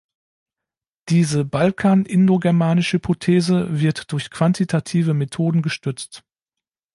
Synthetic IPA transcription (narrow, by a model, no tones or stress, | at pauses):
d̥iːzəbalkʰaːnʔɪndoɡɛɐmaːnɪʃəhypʰotʰeːzəvɪɐtd̥ʊɐçkv̥antʰitʰatʰiːvəmetʰoːdn̩ɡəʃtʏt͡st